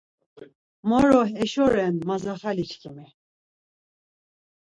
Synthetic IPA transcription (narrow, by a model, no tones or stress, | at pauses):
mɔɾɔɦɛʃɔɾɛnmazaχalit͡ʃkʰimi